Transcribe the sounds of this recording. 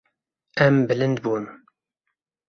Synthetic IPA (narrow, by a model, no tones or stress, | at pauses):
æmbɨlɨnd̪bun